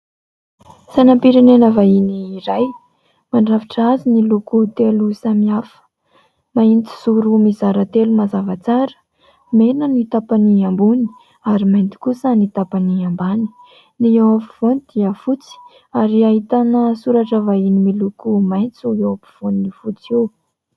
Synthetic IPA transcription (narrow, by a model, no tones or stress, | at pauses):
sanampiɾenenəvainiːɾaj | maɳɖ͡ʐaviʈ͡ʂazinilukut̪elusamiafə̥ | maint͡s̪i̥zuɾumizaɾət̪elumazavat͡saɾə̥ | menənit̪apaniambuni̥ | aɾimajnt̪i̥kusənit̪apaniambani̥ | niewapi̥v̥onid̪̥iəfut͡si̥ | aɾiaɦit̪anəsuɾaʈ͡ʂəvainimilukumajnt͡suewapi̥v̥oninifut͡sew